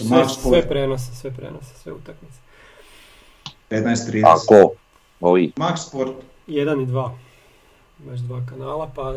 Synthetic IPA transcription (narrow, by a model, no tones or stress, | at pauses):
sekssʋepɾenosesʋepɾḛnose̥sʋḛṵt̪akmit̪se | ed̪najst̪ɾiːa̰ko | oimakspoɾt̪ | jed̪anid̪ʋaː | bat͡ʃd̪ʋaːkanaːlˠapa